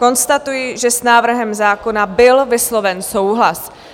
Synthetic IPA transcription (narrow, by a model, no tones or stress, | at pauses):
ko̞nst̪at̪ujiʒɛsnaːvr̩ɦɛmzaːko̞nabɪlvɪslo̞vɛnso̞wɦlas